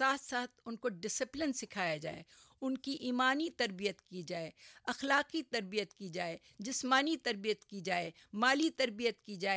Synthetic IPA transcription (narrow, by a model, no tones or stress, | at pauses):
saːt̪ʰsaːt̪ʰʊnkoɖɪsɪplɪnsɪkʰaːjad͡ʒa̰ːḛː | ʊnkiʔiːmaːnit̪ɐɾbijət̪kid͡ʒaːeːɐxlaːqit̪ɐɾbijət̪kid͡ʒaːeː | d͡ʒɪsmaːnit̪ɐɾbijət̪kid͡ʒaːeː | maːlit̪ɐɾbijət̪kid͡ʒaːe